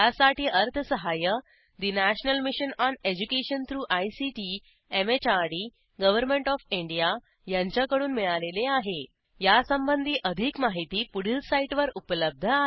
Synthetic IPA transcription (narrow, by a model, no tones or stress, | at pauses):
jasaʈiːʔəɾt̪ʰəsəɦajə | d̪inæɕnəlmiɕənɔned͡ʑukeɕənt̪ʰɾuːʔajsiʈi | emet͡ɕaɾɽiː | ɡəʋəɾmẽɳʈɔfiɳɖija | jaɲt͡ɕjakəɽuːnmiɭaleleaɦe | jasəmbənd̪ʱiːʔəd̪ʱiːkmaɦit̪iːpuɽilsaiʈʋəɾupələb̚d̪ʱəa